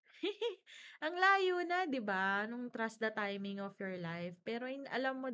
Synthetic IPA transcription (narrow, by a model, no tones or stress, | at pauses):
ʔɐŋlaːjoːnɐd̪ɪbanʊŋt̪ɾasd̪ɐt̪ajmɪŋɔfjɔɹlajfpɛːɾo̞jʊnʔɐ̰lɐmːo